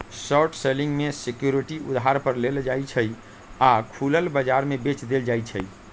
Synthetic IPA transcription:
sɔʈʰselĩŋɡmesekjuɾiʈiṵd̪ɦaɾpəɾleld͡ʒajt͡ʃʰəj | akʰuləlbəd͡ʒaɾmebet͡ʃd̪eld͡ʒajt͡ʃʰəj

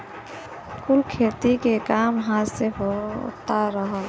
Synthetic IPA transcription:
kʊlkʰeːt̪ikekaːmɦãseɦot̪aɾəɦə

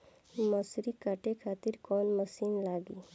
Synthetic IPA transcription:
məsɾikaʈekʰaːt̪iɾkɔːnməsiːnlaːɡi

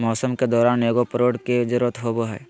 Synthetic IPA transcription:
mɔːsəmked̪ɔːɾaːneːɡopəɾoːɽked͡ʒəɾət̪ɦoːboɦɛ̰ː

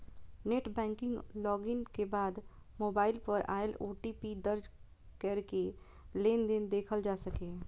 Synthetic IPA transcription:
neːʈbɛ̃ːŋkɪ̃ŋɡlɔːɡɪnkebaːd̪ | moːbaːɪlpəɾa̰ːɪlo̰ːʈiːpid̪ɐɾd͡ʒ | keːɾke | leːnd̪ɪnd̪eːkʰəld͡ʒaːsɐkẽː

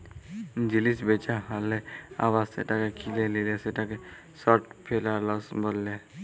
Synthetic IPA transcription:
d͡ʒilisbet͡ʃaɦalːea̰bassḛʈakekʰileleleseʈake | sɔʈ̚pʰelalɔsbəlːe

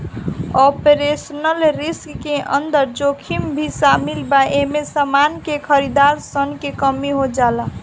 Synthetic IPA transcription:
ɔpeɾesnəlɾiskːeʔʌ̰nd̪əɾd͡ʒokʰimbʱisamilbaemesəmankekʰʌɾid̪aɾsənkekʌmiɦod͡ʒala

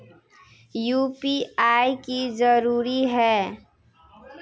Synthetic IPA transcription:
juːpiaːikizəɾuːɾiɦɛː

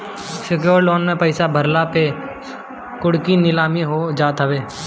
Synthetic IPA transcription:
sɪkjoːɾloːnmẽpəɪsabʱəɾlape | kʊɽkinɪlaːmiɦod͡ʒaːt̪ɦəʋeː

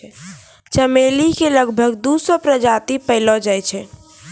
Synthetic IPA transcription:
t͡ʃəmelikeləɡbʱəɡd̪usɔpɾəd͡ʒat̪ipəɪlɔd͡ʒajt͡ʃʰɛ

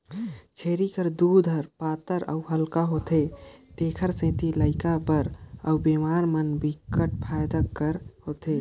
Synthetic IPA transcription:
t͡ʃʰeːɾikəɾd̪uːd̪ʱəɾpaːt̪əɾʔə̰uɦəlkaɦoːt̪et̪eːkʰəɾsẽːt̪iləɪkabəɾəwbemaːɾmənbʱikəʈ̚pʰaːjd̪akəɾhoːt̪e

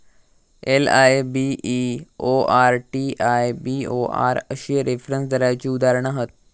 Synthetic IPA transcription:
elajbiʔioaɾʈiʔajbioa̰ɾəɕiɾefɾənsd̪ʱəɾajt͡ɕiːud̪aɾəɳ̃aɦət̪̚

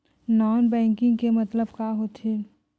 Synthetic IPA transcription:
nɔːnbɛ̃ːŋkɪ̃ŋɡkemɐt̪ləbkaːɦot̪ʰeː

